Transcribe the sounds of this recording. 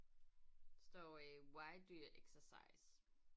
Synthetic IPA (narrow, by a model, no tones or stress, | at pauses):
stɔɹiwaɪdujəʔɛksəsa̰ɪs